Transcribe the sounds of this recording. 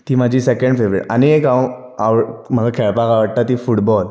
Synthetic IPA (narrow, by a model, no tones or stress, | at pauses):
t̪iːmad͡ʑʱisekə̃ɳɖfeʋɾḛʈa̰niekã | aʋm̤əɡakʰeɭpakaʋəɽ̚t̪at̪ifuʈbɔl